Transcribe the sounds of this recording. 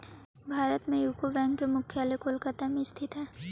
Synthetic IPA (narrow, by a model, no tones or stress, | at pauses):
bʱaːɾət̪mẽjuːkobɛ̃ːŋkːemʊkʰjaːlekoːlkat̪amist̪ʰɪt̪ɦɛː